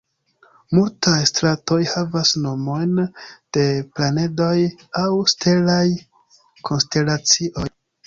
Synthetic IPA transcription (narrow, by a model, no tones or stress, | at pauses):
multajstɾato̞jhavasno̞mo̞jnd̥e̞plane̞do̞jawstʰe̞laj | kʰo̞nste̞lat͡siʔo̞j